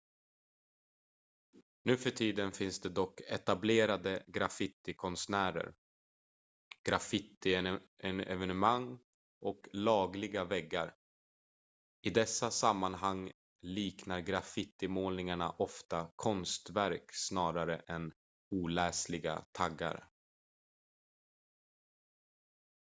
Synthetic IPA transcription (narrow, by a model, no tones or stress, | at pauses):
nʉ̟ːfœʈʰiːd̪ənfɪnsd̪ɛd̪ɔkːɛt̪ableːɾad̪əɡɾafɪt̪ɪkʰɔnsnæːɾə̰ɾ | ɡ̥ɾafɪt̪ɪɛɛvɛnɵmaŋː | ɔklɑːɡlɪɡavɛɡːa̰ɾ | ɪd̪ɛsːasamːanɦaŋː | liːknaɾɡɾafɪt̪ɪmoːlnɪŋaɳaʔɔft̪akʰɔnst̪væɾksnɑːɾaɾə̰ʔɛn | uːlɛːslɪɡa̰t̪ʰaɡːa̰ɾə̰